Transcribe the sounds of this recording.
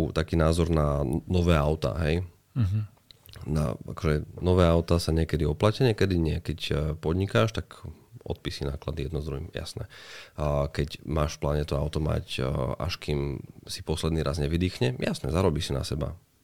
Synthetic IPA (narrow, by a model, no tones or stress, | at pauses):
t̪akiːnaːzɔɾnanɔʋɛːaʊt̪a̰ɦɛj | a̰kɔʒɛnɔʋɛːaʊt̪asaɲɪɛkɛd̪iɔplacaɲɪɛkɛd̪iɲɪɛkɛcpɔd̪ɲikaːʃt̪ak | ʔɔ̰t̪̚pisinaːklad̪ijɛd̪nɔzd̪ɾuɦḭmja̰snɛ̰ | kɛcmaːʃfplaːɲɛt̪ɔaʊt̪ɔma̰ca̰ʃkimsipɔslɛd̪niːɾazɲɛʋid̪iːxɲɛjasnɛzaɾɔbiːsina̰sɛba̰